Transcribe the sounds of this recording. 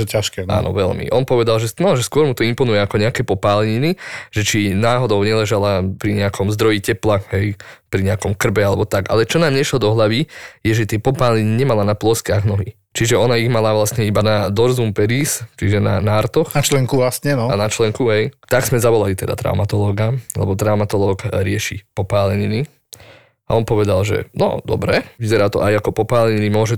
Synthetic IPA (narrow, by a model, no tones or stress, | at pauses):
ɛcaʃkɛa̰nɔ̰ʋɛ̰lmḭʔɔnpɔʋɛd̪alˠʒɛnɔʒɛskʊɔɾmut̪ɔimpɔnujɛakɔɲɛakɛːpɔpaːlɛɲiniʒ̥ɛt͡ʃinaːɦɔd̪ɔʊɲɛlɛʒalapɾiɲɛakʰɔmzd̪ɾɔjicɛplaɦɛjpɾiɲɛakɔmkr̩bɛalɛbɔt̪aɡa̰lɛt͡ʃɔnaːmɲɛʃlɔd̪ɔɦlaʋijɛʒɛt̪ɪɛpɔpaːlɲiniɲɛmalanaplɔskaɣnɔɦḭ | t͡ʃiʒɛɔnaiɣmalaʋlasɲɛibanad̪ɔɾzumpɛɾiːst͡ʃiʒɛna̰naɾt̪ɔxnat͡ʃlɛŋkuʋlasɲɛnɔanat͡ʃlɛŋkuɦɛjt̪aɡz̥mɛzaʋɔlalit̪ɛd̪a̰t̪ɾa̰ʊmat̪ɔlɔːɡalɛ̰bɔt̪ɾaʊmat̪ɔlɔːɡɾɪɛʃḭpɔpaːlɛɲini | a̰ɔnpɔʋɛd̪alʒɛ̰nɔ̰d̪ɔ̰bɾɛʋizɛɾaːt̪ɔ̰ʔajakɔpɔpaːlɛɲinimʊɔʒɛ